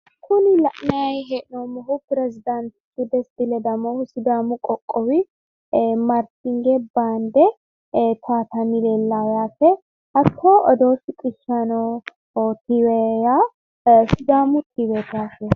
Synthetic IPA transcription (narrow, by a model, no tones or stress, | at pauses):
kʰʊnɪlɐʔnɐjɐjɦɛʔnɔmɔɦʊpɪɾɛzɪd̪ɐnt̪ɪt̪ːʊd̪ɛsd̪ɪlɛd̪ɐmɔhʊsʊd̪aːmʊkʼɔkʼːɔwɪ | mɐɾt̪ɪŋɡɛbaːnd̪ɛ | t̪ʰaːt̪ɐmɪlelːaːjaːfɛ | ɐkʰːoːɔd̪oːʃɪkʼɪʃːɐnɔ | t̪ɪwɛja | sʊd̪aːmʊt̪ʰiwɛt̪aːfɛ